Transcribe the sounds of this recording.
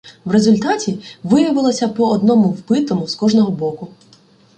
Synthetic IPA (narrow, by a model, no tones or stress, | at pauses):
wre̞zʊlʲt̪ɑtʲiʋɪjɐʋɪlˠɔsʲɐpɔɔd̪nɔmʊwbɪt̪ɔmʊskɔʐnɔɦɔbɔkʊ